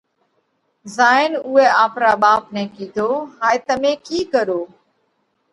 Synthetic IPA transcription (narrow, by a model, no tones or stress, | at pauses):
zaːɪnuːɛːaːpɾaːɓaːpnɛ̃ːkiːd̪ʱoːɦaːet̪əmẽːkiːkəɾoː